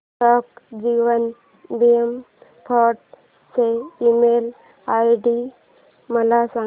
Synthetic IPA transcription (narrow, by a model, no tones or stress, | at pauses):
ʈɔkd͡ʑiʋən | biem | pʰɔʈ̚ | seimel | ajɖi | məlasã